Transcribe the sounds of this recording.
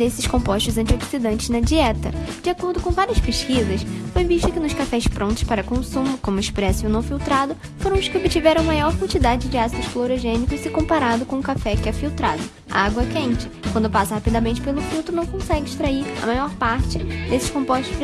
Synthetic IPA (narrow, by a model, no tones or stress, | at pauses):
d̪esɪʃkõpɔʃt̪ʊzɐ̃nt͡ʃioksid̪ɐ̃nt͡ʃɪznɐd͡ʒiɛt̪ɐd͡ʒɪakoɾd̪ʊkõw̃vaɾiɐspeʃkizɐsfojviʃt̪ʊkɪnʊʃkafɛspɾõt̪ʊ̥ʃpaɾɐkõsũmʊkõmʊɛʃpɾɛsʊonɐ̃w̃fiwt̪ɾad̪ʊ | foɾɐ̃w̃ʊʃkɪobɪt͡ʃivɛɾɐ̃w̃majɔɾkwɐ̃nt͡ʃid̪ad͡ʒɪd͡ʒɪasid̪ʊʃfloɾoʒẽnikʊsɪkõpaɾad̪ʊkõʊkafɛkɪɛfiwt̪ɾad̪ʊ | aɡwɐkẽnt͡ʃɪkwɐ̃nd̪ʊpasɐhapid̪ɐmẽnt͡ʃɪ̥pelʊfiwt̪ɾʊnɐ̃w̃kõsɛɡɪiʃt̪ɾaiɾɐ̰majɔɾpaɾt͡ʃɪd̪esɪ̥ʃkõmpɔʃt̪ʊʃ